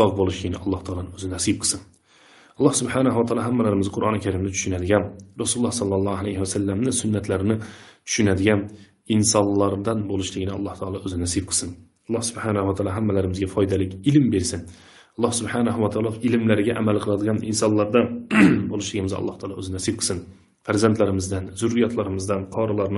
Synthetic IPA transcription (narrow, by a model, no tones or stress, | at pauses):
ɑvbolˠɪʃkʰʲɪnɪɑlˠːɑht̪ʰɑːlˠɑnɪnɵzɪnasijb̚qʰɨ̥sɨn | ɑlˠːɑhsʊbħanaɦwat̪ʰɑːlˠɑɦamːalaɾɪmɪzqʰʊɾʔɑnɪkʲʰaɾɪmnɪt̪ʰʊ̥ʃynad̪ɪɡʲanɾɑsulːˠɑhsɑlˠːɑlˠːɑːalajhɪwasalːamnɪsʊnːat̪laɾɪnɪt̪ʰʊ̥ʃynad̪ɪɡʲan | ɪnsɑnlːɑɾd̪ɑnbolˠɪʃlɪɡʲɪnɪɑlˠːɑht̪ʰɑːlˠɑɵzɪnæsijb̚qʰɨ̥sɪn | lˠːɑhsʊbħanahʊwat̪ʰɑːlˠɑɦamːalaɾɪmɪzɡʲafɒjd̪alɪkʲɪlmbeɾsɪn | ɑlˠːɑhsʊbħanahʊwat̪ʰɑːlˠɑɪlɪmlaɾɪɡʲaʔamalˠqʰɨlˠad̪ɪɡʲɑnɪnsɑnlˠɑɾd̪abolˠɪʃlɪɡʲɪmɪzɒ̰lˠːɑht̪ʰɑːlˠɑɵzɪnasɪb̚qʰɨ̥sɪn | faɾzant̪laɾɪmɪzd̪anzʊɾːijɑt̪ʰlaɾɪmɪzd̪anqʰɑɾɑlˠɑɾn